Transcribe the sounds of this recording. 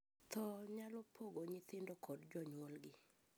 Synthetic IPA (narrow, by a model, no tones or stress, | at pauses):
t̪ɔɲalɔpʰoɡoɲɪt̪ɪndɔkʰɔdd͡ʒɔɲwolɡɪ